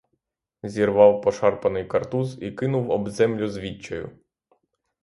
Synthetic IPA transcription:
zʲirʋɑwpɔʃɑrpɐnɪjkɐrt̪uzikɪnʊwɔbzɛmlʲʊzʋʲit͡ʃːɔjʊ̰

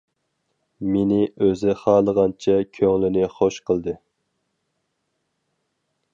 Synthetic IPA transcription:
menɪøzɪχɑːlˠəʁɑnt͡ʃʰɛkʲʰøŋlɪnɪχoʃqʰəlˠd̪ɨ

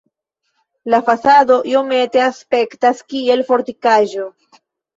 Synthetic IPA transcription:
lafasado̞ʔio̞me̞te̞aspe̞ktaskie̞lfo̞ɾtikaʒo̞

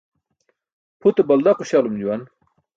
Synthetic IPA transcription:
pʰut̪ebɐld̪aquɕalumd͡ʑuwan

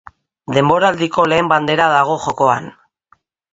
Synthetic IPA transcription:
d̪e̞mbo̞ɾald̪iko̞le̞ːmband̪e̞ɾaðaɣ̞o̞ʝo̞ko̞a̰n

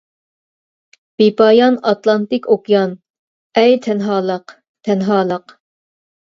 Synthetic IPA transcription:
b̥ipɑjɑnɑt̪lˠɑnt̪ɪkʲʰokjɑn | ɛjt̪ʰɛnɦɑːlˠəq | t̪ʰɛnɦɑːlˠəq

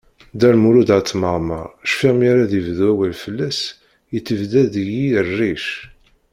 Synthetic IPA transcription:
d̪ælmuɾud̪at͡sːməʁmə̰ʃfiʁmaɾaðivðwæwælfəlːæs | ət͡sːəvðæðjirːiʃ

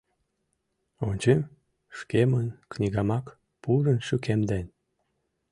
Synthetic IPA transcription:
onʲt͡ɕem | ʃkemənknʲiɣɑmɑk | puɾənʃykemd̪en

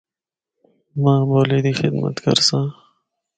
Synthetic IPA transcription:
mãːboːliːd̪iːxɪd̪mɐ̰t̪kɐ̰ɾsãː

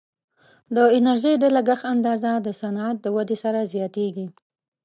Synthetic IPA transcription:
d̪əɪnaɾʒəjd̪əlaɡaxand̪ɑzad̪əsanat̪̚d̪əwad̪esaɾazjɑt̪eɡi

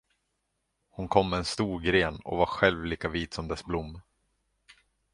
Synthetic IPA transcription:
hʊnkʰɔmːɛːnst̪uːɾɡɾeːnɔ̰vaɾɧɛlvliːkaviːt̪sɔmd̪ɛsblʊmː

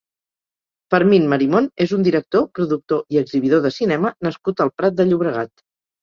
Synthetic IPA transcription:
fəɾminməɾimonezund̪iɾək̚t̪opɾuðuk̚t̪oiəɡziβiðoðəsinɛmənəskut̪əlˠpɾat̪̚d̪əʎuβ̞ɾəɣ̞at̪

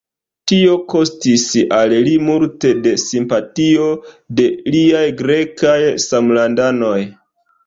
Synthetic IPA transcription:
tio̞ko̞stisallimulte̞de̞simpatio̞ | de̞liajɡɾe̞kajsamlandano̞j

